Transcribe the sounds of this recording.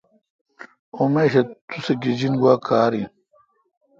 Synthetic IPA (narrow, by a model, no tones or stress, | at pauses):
omeːɕet̪useɡid͡ʑinɡwaːkʰaːɾi